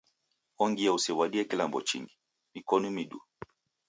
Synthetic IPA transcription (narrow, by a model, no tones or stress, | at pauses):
ɔŋɡijausiwaɗiɛkilambɔ̰t͡ʃḭŋɡi | mikɔnumiɗṵ